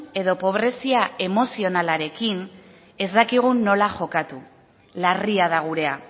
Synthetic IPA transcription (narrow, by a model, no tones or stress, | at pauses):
e̞ðo̞po̞β̞ɾe̞siae̞mo̞sio̞nalaɾe̞kin | e̞zd̪akiɣ̞unːo̞laʝo̞kat̪u | lariað̞aɣ̞uɾe̞a